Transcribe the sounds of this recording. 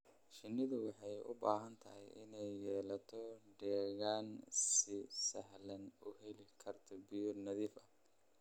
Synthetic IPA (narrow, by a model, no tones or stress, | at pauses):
ʃɪnːɪðʊwɑħɑjʊ̰baːɦɐnt̪ʰɐɦɛ̰jʔɪ̰nɛjːɛːlɐt̪ʰɔɖɛːɣaːnsɪsɐɦlɐnʊhɛlɪkʰɐrt̪ʰɔbɪjɔnɐðiːfɐ